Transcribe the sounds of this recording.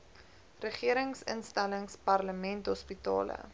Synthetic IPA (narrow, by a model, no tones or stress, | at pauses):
rəχiəɾəŋsə̰nstæləŋspɐrləmɛntɦɔspitɑ̰ːlə̰